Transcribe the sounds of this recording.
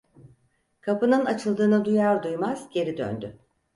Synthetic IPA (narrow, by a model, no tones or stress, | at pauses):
kʰapɯnɯnat͡ʃʰɯlˠd̪ɯːnad̪ujaɾd̪ujmaz̥ɟe̞ɾid̪ø̰nd̪y